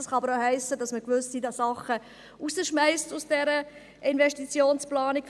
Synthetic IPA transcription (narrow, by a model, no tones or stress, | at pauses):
ɑsχɑɑbəɾoʊhɛɪsːəd̥ɑsməkʋʏssidɑsɑχə | ʔuzəʃmæɪstusd̥ɛɾə | ʔɪnvɛʃtit͡sjoːnsplɑːnik